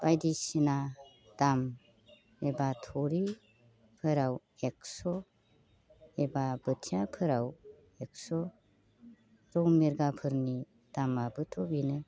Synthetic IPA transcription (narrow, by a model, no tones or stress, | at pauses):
b̥ajdisina | d̥am | ebatʰɔɾi | pʰɯɾaw | ek̚sɔ | ebabɯtʰijapʰɯɾaw | ek̚sɔ | ɾɔwmiɾɡapʰɯɾni | d̥amabɯtʰɔbinɯ